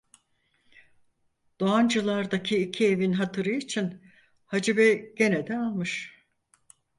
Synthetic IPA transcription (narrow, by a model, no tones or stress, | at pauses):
d̪̥oand͡ʒɯlˠaɾd̪acʰiːcʰie̞vinɦat̪ʰɯɾɯit͡ʃʰin | had͡ʒibɛɟ̥e̞ned̪ɛalˠmɯʃ